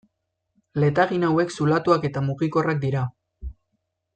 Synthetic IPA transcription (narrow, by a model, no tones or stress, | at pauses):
le̞t̪aɣinawe̞ksulat̪uake̞t̪amuɣiko̞rak̚d̪iɾa